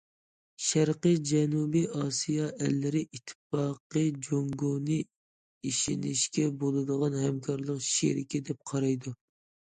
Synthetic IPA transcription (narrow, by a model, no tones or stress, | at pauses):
ʃæɾqəd͡ʒɛnubiʔɑsijɑʔɛlːɪɾɪʔit̪ʰːɪ̥fɑqəd͡ʒoŋɡonɨ | iʃinɪʃkʲɛbolˠɨd̪əʁɑnhɛmkʰɑɾlˠəqʃḛɾɪkʲɪd̪ɛp̚qʰɑɾɑjd̪u